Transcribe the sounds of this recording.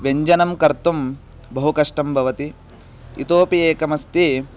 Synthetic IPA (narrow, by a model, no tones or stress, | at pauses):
ʋeɲd͡ʒɐnɐmkɐɾt̪um | bɐɦukɐʂʈɐmbʱɐʋɐt̪i | ḭt̪oːpijeːkɐmɐst̪i